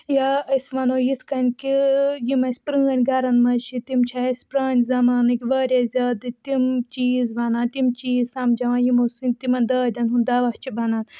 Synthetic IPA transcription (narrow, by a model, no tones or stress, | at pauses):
jaɐsmɐnoːjit̪ʰkɐnʲkijimɐsʲpɾɨːɐnʲɡɐɾɐnmɐt͡ʃʰit̪imt͡ʃʰaɐsʲpɾaːnʲzɐmaːnɨkʲiʋɐːɾʲazʲaːd̪ɨt̪imt͡ʃiːzʋɐnaːnt̪imt͡ʃiːzsɐmd͡ʒɐʋãːjimosɨnʲt̪imɐnd̪ɐːd̪ʲɐnɦund̪ɐʋɐht͡ʃʰibɐnaːn